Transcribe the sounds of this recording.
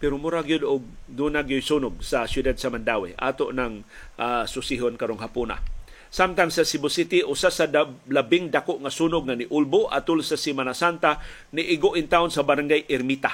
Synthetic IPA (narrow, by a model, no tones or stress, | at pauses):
pɛɾomuɾaɡijʊd̪ʊɡ̚d̪uːnaɡijʊjsuːnʊɡ̚sasjʊd̪ad̪̚samand̪awḛʔa̰ːt̪oʔnaŋʔasʊsiɦonkaɾoŋɦapuna̰ | samt̪aŋsasɪbʊsit̪iʔʊsasalabɪŋd̪akoʔŋasunʊɡ̚ŋanɪʔʊlbʊʔa̰t̪ʊlsasimanasant̪a | nɪʔɪɡoʔɪnt̪aʊnsabaɾaŋɡajʔɪɾmit̪a